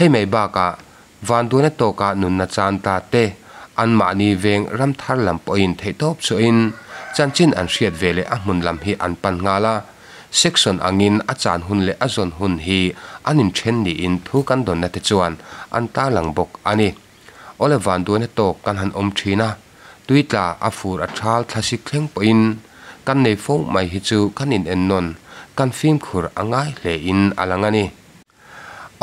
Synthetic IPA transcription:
h̪ʰe˦˨jme˨jbaː˧˩ka˨ʔ | vaː˨ndu˦əna˦t̪ɔː˧˨ka˨ʔnu˨nːa˧t͡saː˧nt̪aː˧t̪e˧ʔɐ˧nma̰˨ʔni˧vɛː˧ŋrɐ˦mt̪ʰa˦rlɐ˨mpɔ˧˦ji˧nt̪ʰe˨jt̪ɔ˦p̚t͡su˧˨ʔi˧nt͡sa˧nt͡si˦nʔɐ̰˨nʂi˧ət̪̚vɛː˨lɛ˧ʔɐ˦m̥ʊ˨nlɐ˨mɦi˧ʔɐ̰˨npɐ˧nŋ̥aː˧la˧ | si˦k̚sɔ˨nʔa̰˨ŋi˧nʔa˦t͡sa̰ː˨nɦʊ˧˨nlɛ˨ʔa˦zɔ˨nɦʊ˧nɦi˧ʔɐ˦ni˨ntʰɛ˦nːi˨ʔɪ˧nt̪ʰuː˨˦kɐ˧˦nd̪ɔ˨nːa˧t̪ɛ˧t͡su˧ɐ˨nʔɐ̰˧nt̪aː˦lɐ˨ŋbɔ˨k̚ʔa˧ni˧ | ʔɔ˦lɛ˦vaː˨ndu˨ənhɛ˦t̪ɔː˧˨kːɐ˧nɦɐ˧nʔɔ˧mtʰi˧na˦ | t̪u˦jt͡ɬaː˨ʔɐ̰˨fuː˨ɾʔɐ˨ʈ͡ʂʰaː˦lt͡ɬʰa˧si˧˦k̚t͡ɬʰɛ˦ŋpɔ˨ji˧n | kɐ˦nːe˨jfo˦wmɐ˨jɦi˧t͡suː˦kɐ˦ni˨nʔɛ˧nːɔ˧nkɐ˦nfi˦mkʰu˨ɾʔɐ̰˧ŋaː˦jl̥ɛ˨ʔɪ˧nɐ̰˧˨lɐ˨ŋa˧ni˧

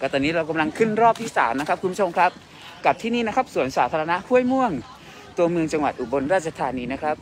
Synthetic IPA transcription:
kɔ˥˩t̪ɔː˧˩nːiː˦˥ɾa˧wka˧mla˧ŋkʰɯ˥˩nɾɔː˥˩p̚t̪ʰiː˥˩saː˩˦mna˦˥kʰa˦˥p̚ʰu˧bu˥t͡ɕo˧mkʰɾa˦˥p̚ | ka˨˩p̚t̪ʰiː˥˩niː˥˩na˦˥kʰa˦˥p̚su˩˦ənsaː˩˦t̪ʰaː˧ɾa˧na˦˥ʔhu˥˩əjmu˧˥˩əŋ | t̪u˧əmɯ˧əŋt͡ɕa˧ŋwa̰˨˩t̪̚ʔu˨˩bo˧nɾaː˥˩t̪̚t͡ɕʰa˧t̪ʰaː˧niː˧na˦˥kʰɾa˦˥p̚

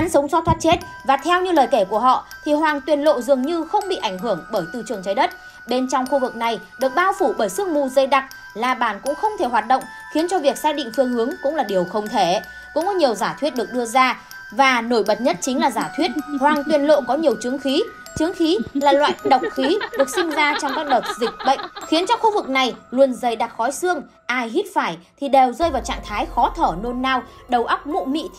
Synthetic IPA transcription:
ʔa˨˦nsə˨˦wŋ͡msɔ˦˥t̪ʰwaː˦˥t̚t͡ɕe˦˥t̚ | vaː˨˩t̪ʰɛ˧wɲɨ˧ləː˨˩jke˧˩ku˧˩əɦɔ̰˧˨t̪ʰi˨˩hwaː˨˩ŋt̪wi˨˩ənlo̰˧˨zɨ˨˩əŋɲɨ˧xə˧wŋ͡mɓḭ˧˨ʔa˧˩jŋ̟ɦɨ˧˩əŋɓəː˧˩jt̪ɨ̰˧˩t͡ɕɨ˨˩əŋt͡ɕaː˨˦jɗə˦˥t̚ | ɗe˧nt͡ɕɔ˧wŋ͡mxu˧vɨ˨˩k̚na˨˩jɗɨ˨˩ək̚ɓaː˧wfu˧˩ɓəː˧˩jsɨ˧əŋmṵ˧˨zə˧˩jɗa˨˩k̚ | laː˨˩ɓaː˧˨˩nkʊ̰˧˥ŋ͡mxə˧wŋ͡mt̪ʰe˧˩ɦwaː˨˩t̚ɗə̰˧˨wŋ͡m | xi˨˦ənt͡ɕɔ˧vi˨˩ək̚saː˧jɗḭ̈˧˨ŋ̟fɨ˧əŋhɨ˨˦əŋkʊ̰˧˥ŋ͡mlaː˨˩ɗi˨˩əwxə˧wŋ͡mt̪ʰe˧˩ | kʊ̰˧˥ŋ͡mkɔ˨˦ɲi˨˩əwzaː˧˩t̪ʰwi˦˥t̚ɗɨ˨˩ək̚ɗɨ˧əzaː˧ | vaː˨˩no˧˩jɓə˨˩t̚ɲə˦˥t̚t͡ɕï˨˦ŋ̟laː˨˩zaː˧˩t̪ʰwi˦˥t̚hwaː˨˩ŋt̪wi˧˩ənlo̰˧˨kɔ˨˦ɲi˨˩əwt͡ɕɨ˨˦əŋxi˨˦ | t͡ɕɨ˨˦əŋxi˨˦laː˨˩lwa̰ː˧˨jɗə˨˩wk͡p̚xi˨˦ɗɨ˨˩ək̚sï˧ŋzaː˧t͡ɕɔ˧wŋ͡mkaː˦˥k̚ɗə˨˩t̚zï˨˩k̟̚ɓə̰˧˨ŋ̟xi˨˦ənt͡ɕɔ˧xu˧vɨ˨˩k̚na˨˩jlu˧ənzə˨˩jɗaː˨˩t̚xɔ˨˦jsɨ˧əŋ | ʔaː˧jɦi˦˥t̚faː˧˩jt̪ʰi˨˩ɗe˨˩wzəː˧jvaː˨˩wt͡ɕa̰ː˧˨ŋt̪ʰaː˨˦jxɔ˨˦t̪ʰəː˧˩no˧nːaː˧wɗə˨˩wʔa˦˥wk͡p̚mo̰˧˨mḭ˧˨

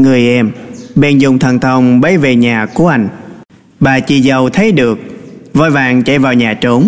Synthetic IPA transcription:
ŋɨ˨˩əjʔɛ˧mɓɛ˧nzʊ˨˩ŋ͡mt̪ʰə˨˩nt̪ʰə˧wŋ͡mɓə˨˦jve˨˩ɲaː˨˩ku˧˩əʔa˧jŋ̟ | ɓaː˨˩t͡ɕḭ˧˩zə˨˩wt̪ʰə˨˦jɗɨ˨˩ək̚vɔ˧jvaː˨˩ŋt͡ɕa˧˩vaː˨˩wɲaː˨˩t͡ɕo˨˦n

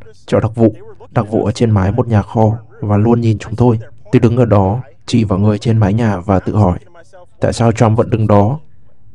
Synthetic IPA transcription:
t͡ɕɔ̰˧˩ɗa˨˩k̚vṵ˧˨ɗa˨˩k̚vṵ˧˨ʔəː˧˩t͡ɕe˧nmaː˨˦jmo˨˩t̚ɲaː˨˩xɔ˧˩ | vaː˨˩lu˧ənɲi˨˩nt͡ɕʊ˨˦ŋ͡mt̪ʰo˧jt̪ɨ˨˧˩ɗɨ˨˦ŋʔəː˧˩ɗɔ˨˦ | t͡ɕi˧˩vaː˨˩wŋɨ˨˩əjt͡ɕe˧nmaː˨˦jɲaː˨˩vaː˨˩t̪ɨ̰˧˨hɔ˧˩j | t̪a̰ː˧˨jsaː˧wt͡ɕwa˧mvə̰˧˥nɗɨ˨˩ŋɗɔ˨˦

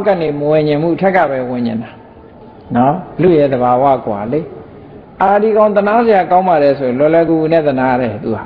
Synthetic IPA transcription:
kã˨ne˨məwɪ̃˨ɲɪ̃˨mṵ˦˨ʔətʰɛ˦kːa̰˦˨bɛ˦wɪ̃˨ɲɪ̰̃˨nda˨ | nɔ˦lṵ˦˨jɛ˦˨d̪əba˨wa̰˦˨kwa̰˨le˦ | ʔa˨di˨ɡã˦ʊ̃t̪əna˦zɪ˨ja˨kã˦ʊ̃mba˨ɾɛ˨sʰo˨ɪ̃˨lwɛ˨lwɛ˦ɡu˨u˦˨nɛ̰˦˨t̪əna˦˨ɾɛ˨t̪ṵ˨ha̰˨

